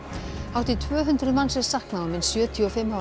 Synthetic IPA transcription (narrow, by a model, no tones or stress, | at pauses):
hawt̪ɪt̪ʰvœːɦʏnt̪ɾʏðmansɛsahknaɔmɪnsjœːt̪ʰijuɔfɪmːa